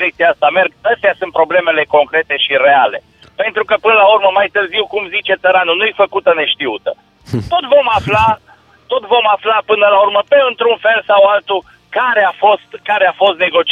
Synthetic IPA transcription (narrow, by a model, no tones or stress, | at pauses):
ɾekt̪siaast̪ame̞rɡəst̪easunt̪pɾo̞ble̞me̞le̞ko̞ŋkɾe̞t̪e̞ʃire̞ale̞ | pe̞nt̪ɾukəpɨnəlaurməmajt̪ɨrziwkumzit͡ʃe̞t̪səɾanunujefəkut̪əne̞ʃt̪iut̪ə | t̪o̞t̪vo̞mafla | t̪o̞t̪vo̞maflapɨnəlaurməpe̞ɨnt̪ɾunfe̞lsawalt̪u | kaɾeafo̞st̪kaɾeafo̞st̪ne̞ɡo̞t͡ʃ